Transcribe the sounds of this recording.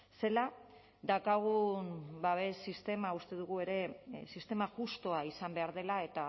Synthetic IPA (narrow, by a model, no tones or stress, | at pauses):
se̞la | d̪akaɣ̞umbaβe̞sist̪e̞maust̪e̞ðuɣ̞ue̞ɾe̞sist̪e̞maʝust̪o̞aisambe̞aɾð̞e̞lae̞t̪a